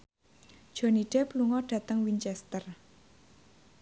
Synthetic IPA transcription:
d̥ʒ̥o̤niɖ̥e̤pluŋɔɖ̥ä̤t̪əŋwint͡ʃɛst̪ər

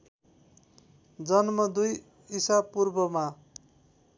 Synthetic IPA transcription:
d͡zʌnmʌd̪uj | isapurbʌma

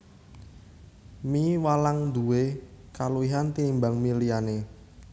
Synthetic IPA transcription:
miwalaŋd̪ṳwekaluiɦant̪imbaŋmiliane

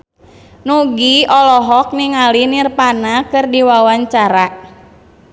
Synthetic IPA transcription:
nuɡiɔlɔɦɔk̚niŋalinirpanakɨrdiwawaɲt͡ʃaɾa

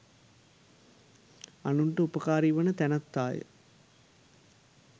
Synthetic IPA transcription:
ɐnuɳʈəupɐkaːɾiʋɐnɐt̪ɛnɐt̪ːaːjə̰

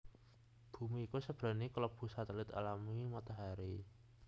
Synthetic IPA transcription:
b̥ṳmiːkusəb̥ɾa̤nikləb̥ṳsat̪əlɪt̪a̰lamimat̪aɦaɾi

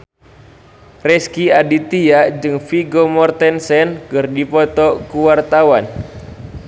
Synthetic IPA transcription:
rɛskiadit̪ijaʔd͡ʒɨŋfiɡomɔrt̪ɛnsɛnkɨrdipɔt̪ɔkuwart̪awan

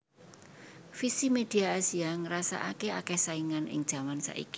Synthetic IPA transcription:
fisimed̪̥i̤aasiaŋəɾasa̰ʔa̰keakɛhsaiŋanɪ̰ŋ̥ʒ̥a̤mansa̰ʔḭki̥

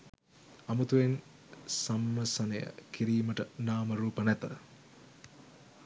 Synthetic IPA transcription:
ɐmut̪uʋen | samːəsənəjə̰kiɾiːməʈənaːməɾuːpənæt̪ə̰

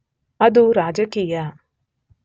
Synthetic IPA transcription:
ɐd̪uɾaːd͡ʒɐkiːja

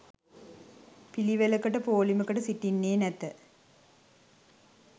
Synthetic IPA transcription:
piliʋelɐkɐʈəpoːlimukɐʈəsiʈːinːeːnɛt̪ːə

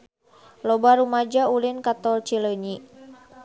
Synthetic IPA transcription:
lɔbaɾumad͡ʒaulinkat̪ɔlt͡ʃiləɲi

